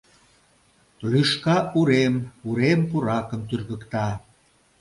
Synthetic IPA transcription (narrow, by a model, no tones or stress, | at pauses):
lyʃkɑuɾemuɾempuɾɑkəmt̪yrɣəkt̪ɑ